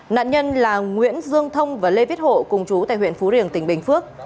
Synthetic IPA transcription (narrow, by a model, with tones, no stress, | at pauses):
na̰ː˧˨nɲə˧nlaː˨˩ŋwḭ˧˥ənzɨ˧əŋt̪ʰə˧wŋ͡mvaː˨˩le˧vi˦˥ət̚ho̰˧˨kʊ˨˩ŋ͡mt͡ɕu˨˦t̪a̰ː˧˨hwḭ˧˨ənfu˨˦ɾi˧˨˩əŋt̪ï˨˩ŋ̟ɓï˨˩ŋ̟fɨ˦˥ək̚